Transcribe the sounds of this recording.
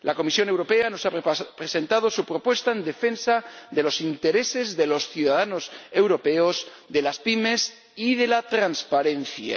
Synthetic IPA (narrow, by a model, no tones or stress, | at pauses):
lako̞misjo̞ne̞wɾo̞pe̞ano̞sapɾese̞nt̪að̞o̞supɾo̞pwe̞st̪aend̪e̞fe̞nsaðe̞lo̞sint̪e̞ɾe̞se̞zðe̞lo̞sθjuðaðano̞se̞wɾo̞pe̞oz | ðe̞laspime̞s | iðe̞lat̪ɾanspaɾe̞n̟θja̰